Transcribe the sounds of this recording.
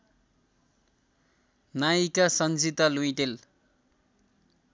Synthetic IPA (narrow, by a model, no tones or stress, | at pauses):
najikasʌnd͡zit̪ʌluj̃ʈ̪el